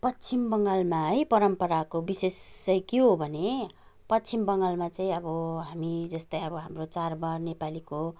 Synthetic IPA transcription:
pʌtːt͡sʰimbʌŋɡalmaɦʌjpʌɾʌmpʌɾakobisest͡sʌjkiobʱʌne | pʌtːt͡sʰimbʌŋɡalmat͡saĩʌbʌɦamid͡zʌst̪ʌiʌbʌɦamrot͡sarbarnepaliko

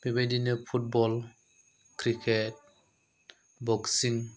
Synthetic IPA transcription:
bibedinəpʰut̚bɔl | kɾikʰet̚ | bɔksiŋ

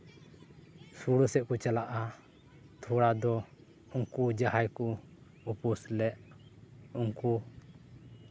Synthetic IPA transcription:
suɽəsɛʔ̚kɔt͡ʃalaʔa | t̪ʰuɽad̪ɔ | uŋkud͡ʒahajkɔ | upuslɛʔ | uŋku

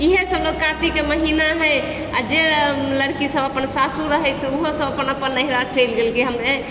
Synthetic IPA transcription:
iɦesəbloɡ̚kãt̪ikeməɦinaɦə | ad͡ʒeləɽkisəbəpənsasuɾəɦɛt͡ʃʰuɦosəbəpənəpənːəɦiɾat͡ʃəjlɡelkeɦəmne

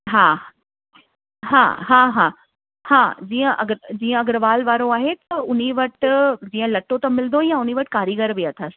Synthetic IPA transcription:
ɦaː | ɦa̰ːɦãːɦaː | hãːd͡ʑiːə̃ʔɐɡəɾd͡ʑiːə̃ɐɡəɾʋaːlʋaːɾoaːɦet̪ɐʊniʋɐʈd͡ʑiːə̃lɐʈot̪ɐmɪlnd̪ojãʊn̤iʋɐʈkaːɾiɡəɾʋijat̪ʰəs

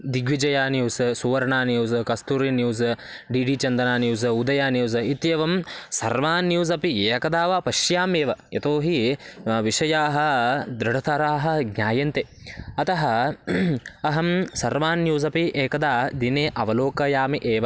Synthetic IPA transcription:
d̪iɡʋid͡ʒɐjaːnjuːssuʋɐɾɐɳaːnjuːzkɐst̪uɾinjuːz | ɖiːɖiːt͡ʃɐnd̪ɐnaːnjuːzud̪ɐjaːnjuːz̬it̪jeːʋɐmsɐɾʋaːnjuːzɐpieːkɐd̪aːʋɐpɐʃjaːmeːʋɐjɐt̪oːɦiʋiʃɐjaːɦɐ̆d̪ɾɐɽɐt̪ʰɐɾaːɦɐ̆ɡɲʲaːjɐnt̪eɐt̪ɐɦɐ̆ | ɐɦɐmsɐɾʋaːnjuːzɐpieːkɐd̪aːd̪ineːʔɐʋɐloːkɐjaːmiʔeːʋɐ

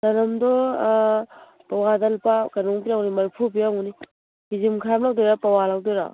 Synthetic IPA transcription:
tɐnɐmdɔ | pawadɐlpakanuŋpijaŋnimɐɾpʰupijaŋuni | ɡizimkʰɾamlawdɔjɾapawalawdeɾa̰

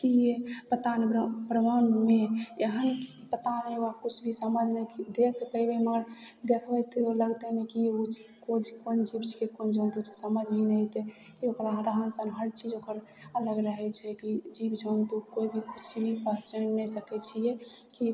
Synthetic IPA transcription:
kijepət̪anebəɾmanmeeɦənki̥pət̪aneoakut͡ʃʰbʱisəməd͡ʒʱnɛkd̪ekʰpəjbɛməɡəɾd̪ekʰbɛt̪eoləɡt̪ɛnɛkiu | kod͡ʒkond͡ʒibt͡ʃʰijekond͡ʒʱənt̪ut͡ʃʰesəməd͡ʒʱbʱinɛt̪ɛkiokɾaɾəɦənsənɦəɾt͡ʃʰid͡ʒokəɾ | ələɡɾəɦɛt͡ʃʰɛkid͡ʒibd͡ʒʱənt̪ukoibʱikut͡ʃʰbʱipəɦt͡ʃənnɛsəkɛt͡ʃʰijeki

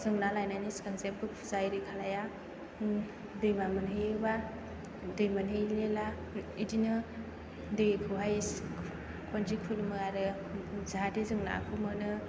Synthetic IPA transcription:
z̥ɯŋnalajnaniskaŋsep̚bɯpʰzajɾikʰalaja | dɯjmamɯnɦeba | dɯjmanɦelela | idinɯ | dɯkʰɯwɦajs | kʰɔnd͡ʒikʰulmɯaɾɯ | zadezɯŋna̰kʰɯmɯnɯ

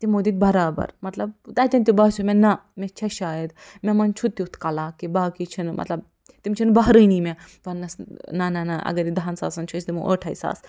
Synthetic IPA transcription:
t̪imoːd̪it̪̚bɐɾaːbɐ̰ɾmɐt̪lɐbt̪ɐt̪ʲɐnt̪ʲibɐɦt͡ʃʰumʲenɐmẽt͡ʃʰɐʃaːjɐd̪mʲemɐnt͡ʃʰut̪ːiut̪ʰkɐlaːkibaːkit͡ʃʰinmʔɐ̰t̪lɐb̚ | t̪imt͡ʃʰinbɐɦɾɨniːmet̪ɐnnːɐsnɐnɐnɐʔɐ̰ɡɐɾid̪aɦɐnsa̰ːsɐnt͡ʃʰust̪imṵʔo̰ʈʰɐisa̰ːs

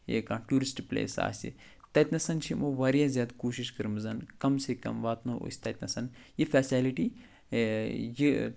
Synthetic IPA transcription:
eːkãːʈjuːɾisʈplḛːsa̰ːsḭ | t̪ɐt̪ʲnɐsɐnt͡ʃʰimʔoːʋaːɾjãːzʲjaːd̪kuːʃiʃkɐɾɨmzɐnkɐmsekɐ̰mʋaːt̪noo̰sʲt̪ɐt̪ʲnɐsɐn | jifɛːsʲaːliʈi | ji

